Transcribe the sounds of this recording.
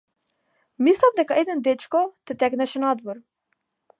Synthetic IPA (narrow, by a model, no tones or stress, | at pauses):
mislˠamd̪ɛkaɛd̪ɛnd̪ɛt͡ʃkɔt̪ɛt̪ɛknɛʃɛnad̪vɔɾ